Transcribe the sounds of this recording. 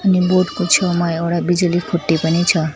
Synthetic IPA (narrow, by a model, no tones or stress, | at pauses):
əniboɖkot͡ʃʰomajeɽabid͡ʒulikʰuʈːipənit͡ʃʰʌ